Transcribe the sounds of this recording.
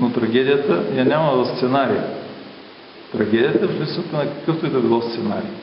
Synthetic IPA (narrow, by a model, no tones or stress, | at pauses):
not̪ɾɐɡʲɛd̪ʲijət̪əjanʲamɐɐst̪sɛnaɾijə | t̪ɾɐɡʲɛd̪ʲijət̪əflisət̪ɐnɐkɐ̥kɤft̪oit̪obilˠɔst̪sɛna̰ɾi